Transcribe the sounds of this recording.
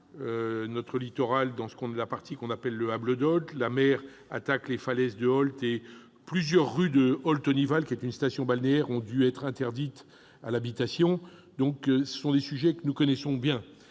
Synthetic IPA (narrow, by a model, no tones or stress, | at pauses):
ønɔt̪χəlit̪ɔʁald̪ɑ̃sə̥kɔ̃nɛlapaʁt̪ikɔ̃napɛlːəabləd̪ɔlt̪lamɛʁ | a̰t̪aklefalɛzd̪əɔlt̪e | plyzjœʁːyd̪əɔlt̪ɔnivalkʲiɛt̪ynst̪asjɔ̃balneɛʁɔ̃d̪yɛt̪χɛ̃t̪ɛʁd̪it̪ | alabit̪asjɔ̃d̪ɔ̃ksə̥sɔ̃d̪esyʒɛkənukɔnɛsɔ̃bjɛ̃